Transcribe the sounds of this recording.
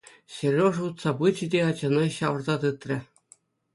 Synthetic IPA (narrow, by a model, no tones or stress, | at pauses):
ɕĕrʲoʐut̪sɑpɯt͡ɕĭdʲeɑd͡ʑɑnɑɕɑʋɤ̆rzɑt̪ɯt̪rʲɘ̆